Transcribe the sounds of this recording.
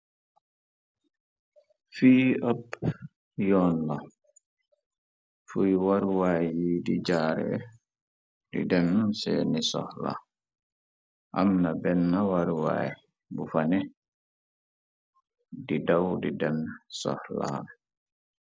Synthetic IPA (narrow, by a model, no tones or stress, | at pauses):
fiːap | jɔnla | fujwaɾwajjidid͡ʒaːɾɛ̰ | dḭdɛmnunsɛ̰nisɔ̰hla̰ | ʔa̰mnabɛnːawaɾwa̰j | bufanɛ | didawdidɛmsɔ̰hla̰